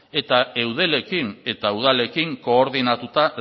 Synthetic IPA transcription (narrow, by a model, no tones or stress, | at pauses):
e̞t̪ae̞wð̞e̞le̞kine̞t̪auðale̞kiŋko̞ːɾðinat̪ut̪a